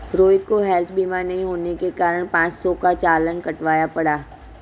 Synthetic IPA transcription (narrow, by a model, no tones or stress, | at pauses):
ɾoːɪt̪̚koɦɛlt̪ʰbiːmanɐɦĩɦoːnekekaːɾəɽ̃pãːt͡ʃsɔkat͡ʃaːlənkɐʈʋaːjapɐɽaː